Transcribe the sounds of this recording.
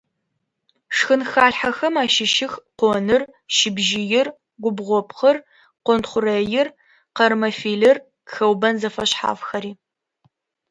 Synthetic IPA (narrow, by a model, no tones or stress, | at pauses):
ʂxɨnxaːɮħaxɐmaːʃɪʃɪxqʷɔnɨr | ʃɪbʒɪjɪr | ɡʷʊbʁʷɔpχɐr | qʷɔntχʷʊrɐjɪr | qɐrmɐfiːlɨr | xɐwbɐnzɐfɐɕħa̰ːfxɐɾiː